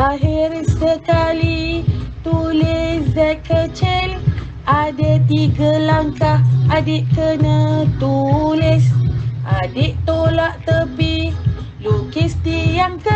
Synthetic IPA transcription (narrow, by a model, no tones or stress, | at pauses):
aɦirsəkalit̪ulɪszɛkːət͡ʃɪl | adat̪iɡalaŋkahadɪʔkənət̪ulɪsʔadɪʔt̪olaʔt̪əpilukist̪ijaŋkə